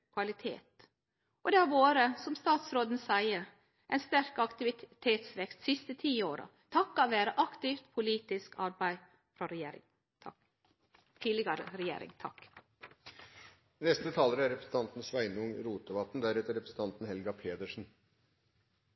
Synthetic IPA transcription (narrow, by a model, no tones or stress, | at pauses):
kʰʋɑlɪt̪ʰḛːt̪ | ɔd̪ɛhæɾʋoːɾəsɔmst̪ɑːt̪sɾoːd̪n̩sæɪəɾ | ʔɛɪnst̪æɾkɑkt̪ɪʋɪt̪ʰeːt̪sʋɛkst̪sɪst̪ət̪ʰiːoːɾɑ̰ | t̪ʰɑkːɑʋeːɾəʔɑkt̪ɪft̪pʰʊliːt̪ɪskɑɾbæɪ | fɾɔɾɛjḛːɾɪ̰ŋʰ | t̪ʰiːlɪɡəɾə̰ɾɛjḛːɾɪ̰ŋt̪ʰɑk | nɛst̪ət̪ʰɑːləɾəæɾɛpɾəsn̩t̪ʰɑnt̪n̩sʋæɪnʊŋɾuːt̪əʋɑt̪ːn̩d̪æɾɛt̪əɾɛpɾəsn̩t̪ʰɑnt̪n̩hɛlɡɑpʰeːd̪əʂn̩